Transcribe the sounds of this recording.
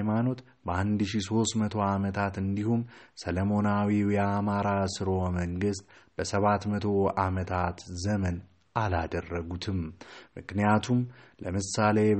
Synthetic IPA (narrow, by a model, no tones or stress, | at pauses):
mano̞t̪ | bəand̪ʃiso̞st̪mət̪ʰo̞amət̪ʰat̪ɨnd̪ihumsələmo̞nawiwjɛamaɾasɨɾo̞məŋɡɨst̪b̥əsəβat̪mət̪ʰo̞amət̪ʰat̪zəmən | alad̪ərːəɡut̪ʰɨmmɨ̰knijat̪ʰumlʔəmɨsale̞